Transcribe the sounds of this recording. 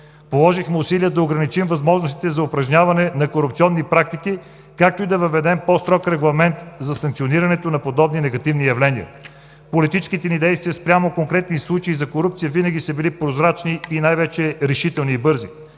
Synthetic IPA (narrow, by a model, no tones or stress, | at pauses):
polˠɔʒixmɛʊsiliəd̪ɐoɡɾɐnit͡ʃimvɐzmɔʒnost̪i̥t̪ɛzɐʊpɾɐʒnɲʲavɐnɛnɐkoɾupt̪iɔnːipɾak̚t̪iki | kak̚t̪oid̪ɐvɐvɛd̪ɛmpɔst̪ɾɔkɾɛɡlˠɐmɛnt̪zɐsɐ̃ŋkt̪sioniɾɐnɛt̪onɐpod̪ɔbninɛɡɐt̪ivnijɐvlɛniə̰ | polit̪it͡ʃskit̪ɛnid̪ɛjst̪vijəspɾʲamokoŋkɾɛt̪̚nislˠut͡ʃeizɐkoɾupt̪sijəvinəɡʲisɐbilipɾozɾat͡ʃniːnajvɛt͡ʃɛɾɛʃit̪ɛlˠniːbɤɾzi